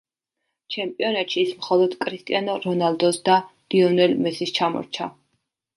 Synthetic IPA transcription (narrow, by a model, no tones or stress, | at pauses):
t͡ʃʰɛmpʼiɔnat̪ʃiːsmχɔlˠɔd̪̥kʼɾist̪ʼḭanɔɾɔnald̪ɔsd̪ad̪̥iɔnɛlmɛsist͡ʃʰamɔ̰ɾt͡ʃʰa̰